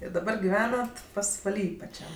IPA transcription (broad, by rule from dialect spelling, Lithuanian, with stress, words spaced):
ɪ dɐˈbɐr ɡʲɪˈʋʲæːnɐt pɐsʋɐˈlʲiː pɐˈt͡ʃʲɛm